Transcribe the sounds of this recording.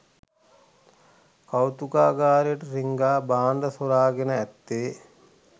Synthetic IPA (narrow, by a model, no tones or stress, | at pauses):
kawt̪ukaːɡaːɾijəʈəɾiŋɡaːbaːnd̪əsoɾaːɡenəæt̪ːeː